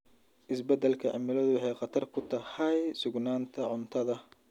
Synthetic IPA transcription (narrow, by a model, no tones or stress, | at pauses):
ʔɪsbɛd̪ɛlkʰɐʕɐ̰mɪlɐðʊwɑħɑjqɑt̪ʰɐrkʰʊt̪ʰɐhɐjsʊɡnaːnt̪ʰɐʕʊnt̪ʰɐðɐ